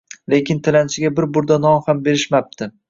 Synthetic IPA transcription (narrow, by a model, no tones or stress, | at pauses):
lekʲɪnt̪ʰɪlant͡ʃʰɪɡʲabɪɾbʊɾd̪anɒmhambe̞ɾɪʃmap̚t̪ʰɪ